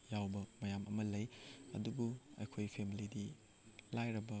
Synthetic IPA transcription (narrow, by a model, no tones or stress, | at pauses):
jawbɐmɐjamʔɐmɐlɐjɐ̰dubuɐ̰jkʰojpʰemilidi | lajɾɐbɐ